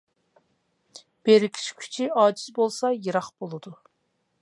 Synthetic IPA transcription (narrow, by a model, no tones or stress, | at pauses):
b̥eɾɪkʲʰi̥t͡ʃkʲʰy̥t͡ʃʰiɑːd͡ʒizbolˠsɑjɨɾɑχb̥olˠɨd̪u